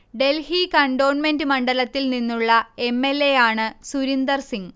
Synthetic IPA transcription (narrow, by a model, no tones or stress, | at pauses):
ɖe̞lhikɐɳɖo̞ːnmendɨmɐɳɖɐlɐt̪ːilninːuɭːɐe̞mːe̞lːe̞jaːɳɨsuɾind̪ɐrsiŋ